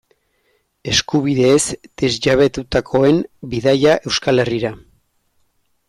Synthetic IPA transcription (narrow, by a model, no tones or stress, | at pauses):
e̞skuβiðe̞ːsd̪̥e̞zʝaβ̞e̞t̪ut̪akʰo̞e̞mbiðajaʔe̞wskale̞riɾa